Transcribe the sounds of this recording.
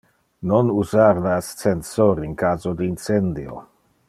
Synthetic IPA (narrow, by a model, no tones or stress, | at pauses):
nonuzaɾlaast̪t͡sensoɾinkaːzod̪iint͡send̪io̰